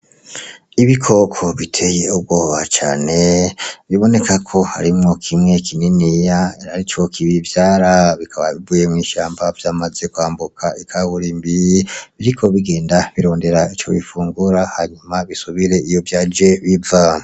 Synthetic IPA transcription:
iβikʰo̞kʰo̞βitʰe̞jeub̚ɡo̞ːβat͡ʃa̰ːne̞βiβo̞ne̞kʰakʰo̞ha̰ɾimŋo̞kʰimŋe̞kʰininijaaɾit͡ʃo̞kʰiβivjaːɾaβikʰaβa̰βivuːje̞mŋiːʃaːmbav̥jaːmaze̞kwaːmbukʰaikʰaβuɾimbiβiɾikʰo̞βiɡe̞ːndaβiɾo̞ːnde̞ɾait͡ʃo̞̰βifuːŋɡuɾahaɲumaβisuβiɾe̞ijo̞vjad͡ʒeβiva

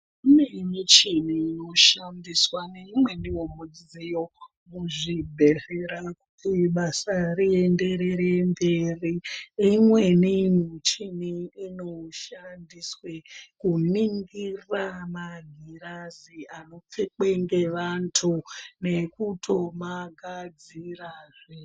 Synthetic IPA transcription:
unemit͡ʃiniːno̞ʃandiswaneimwe̞niwomud͡zijo̞ | muʐibʱe̞ɮeɾakutiɓasariende̞ɾeɾemberiimwe̞nimiot͡ʃiniinoʃandiswekuniŋɡiramaɡʱiɾaziano̞p͡fek͡pe̞ŋɡe̞ʋantʰune̞kutʰo̞maɡʱad͡ziraːʐe

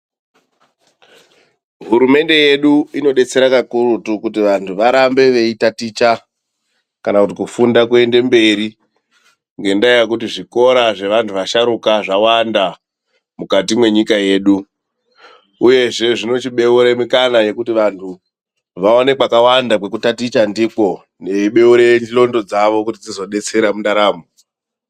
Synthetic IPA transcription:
ɦuɾume̞nde̞je̞ɗuino̞ɗe̞t͡se̞ɾakakurutukutiʋantʰuʋaɾambe̞ʋeitatit͡ʃa | kanakutikufundakue̞nde̞mbe̞ɾi | ŋɡe̞ndajakutiʐiko̞ɾaʐe̞ʋantʰuʋaʃaɾukaʐawanda | mukatimwe̞ɲikaje̞ːɗu | uje̞ʐe̞ʐino̞t͡ʃiɓe̞uɾemikanaje̞kutiʋantʰu | ʋaone̞kwakawandakwe̞kutatit͡ʃandiko̞ | ne̞iɓe̞uɾeilo̞ndo̞d͡zaʋo̞kutid͡zizo̞ɗe̞t͡se̞ɾamundaɾaːmo

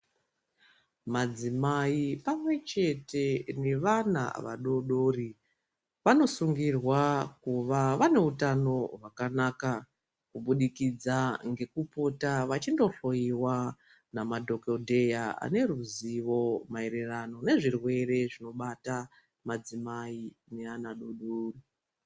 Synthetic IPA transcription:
mad͡zimaipamwe̞t͡ʃe̞te̞ne̞ʋana̰ʋa̰ɗo̞ɗo̞ri | ʋano̞suŋɡirwakuʋaʋane̞utano̞rwakanaka | kuɓuɗikid͡zaŋɡe̞kupo̞taʋat͡ʃindo̞ɬo̞iwa | namadʱo̞kodʱe̞jaa̰ne̞ruziʋo̞mae̞ɾerano̞ne̞ʐirwe̞re̞ʐino̞ɓata | mad͡zimaine̞anaɗo̞ɗoːri

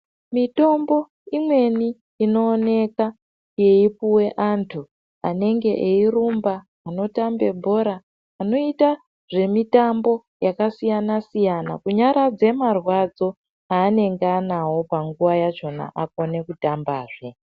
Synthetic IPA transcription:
mito̞mbo̞ | imwe̞niː | no̞ːne̞ka | je̞ipuwe̞ʔantʰu | ane̞ŋɡe̞ʔeirumbaː | no̞tambe̞bʱo̞ɾaː | no̞ita | ʐe̞mitambo̞ | jakasijanasijana̰kuɲaɾad͡ze̞marwad͡zo̞ | aːne̞ŋɡanawo̞paŋɡuʋajat͡ʃo̞na̰ʔako̞ne̞kutambaːʐe̞

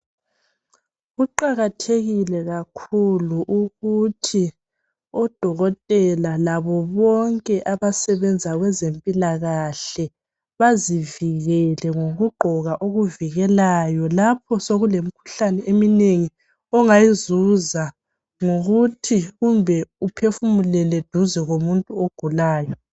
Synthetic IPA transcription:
ɣuǃaɣatʰeɣilɛɣakʰuluʔuɣutʰi | ɔd̥ʱɔɣɔtʼɛlalaβɔβɔŋkʼɛʔaβasɛβɛnd͡zʱaɣwɛzempʼilaɣaɬɛ | βaziviɣɛlɛŋoɣuɡ͡ǃʱɔɣaʔoɣuviɣɛlajɔlapʰɔsoɣulemikʰu̥ɬanɛʔemineŋi | ɔŋajizuza | ŋoɣutʰiɣumbʱɛupʰefumulɛlɛd̥ʱuzɛɣomuntʼuoɡ̥ʱulaːjɔ

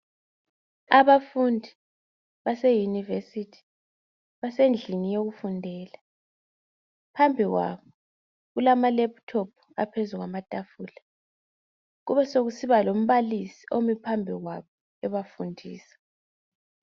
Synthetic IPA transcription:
aβafundʱi | βasejunivesitʰi̥ | βasend͡ɮʱinijoɣufundʱɛːla | pʰambʱiɣwa̰βɔ | ɣulamalɛp̚tʰopʰu̥apʰezuɣwamatʼafuːla | ɣuβɛsoɣusiβalom̩βalisi̥omipʰambʱiɣwa̰βɔ | ɛβafundʱiːsḁ

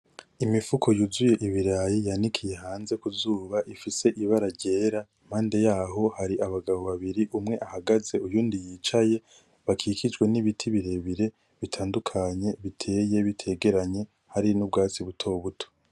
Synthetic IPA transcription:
imifukʰo̞juzuje̞ʔiβiɾajijanikʰije̞ɦaːnze̞kuzuːβaʔifise̞ʔiβaɾaɾɟe̞ːɾaim̥haːnde̞jaːɦo̞haɾiʔaβaɡaβo̞βaβiɾiʔumŋe̞ʔahaɡaze̞ujuːndijiːt͡ʃaje̞ | βakʰiːkid͡ʒɡwe̞niβitʰiβiɾe̞βiɾe̞ | βitʰaːndukʰaɲe̞βitʰe̞ːje̞βitʰe̞ːɡe̞ɾaɲe̞ | haɾinub̚ɡaːt͡siβutʰo̞ːβutʰo̥

